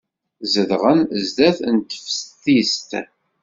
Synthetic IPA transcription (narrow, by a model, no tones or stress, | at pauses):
zəðʁənzd̪æθnt̪ə̥fsθist̪